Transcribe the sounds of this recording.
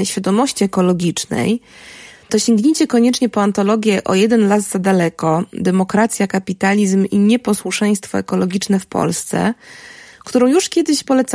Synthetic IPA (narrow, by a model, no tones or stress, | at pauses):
ɕfʲjad̪ɔmɔɕt͡ɕiɛkɔlɔɡʲit͡ʂnɛ̰j | t̪ɔɕeŋɡɲet͡ɕɛkɔɲɛt͡ʂɲɛpɔant̪ɔlɔɡʲjɛʔɔ̰jɛd̪ɛnlazzad̪alɛkɔd̪ɛmɔkɾat̪sʲjakapʲit̪alʲizmiɲɛpɔswuʂɛj̃st̪fɔ̰ɛkɔlɔɡʲit͡ʂnɛfpɔ̰lst̪sɛ̰ | kt̪uɾɔ̃w̃juʂkʲjɛd̪ɘɕpɔlɛt̪s